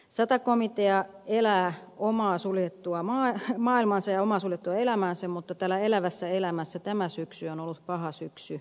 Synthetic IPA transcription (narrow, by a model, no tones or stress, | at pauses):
sɑt̪ɑkomit̪eɑelæːomɑːsuljet̪ːuɑmɑːmɑːilmɑnsɑjɑomɑːsuljet̪ːuɑelæmæːnsemut̪ːɑt̪æːlːæelæʋæsːæelæmæsːæt̪æmæsyksyonolːut̪pɑhɑsyksy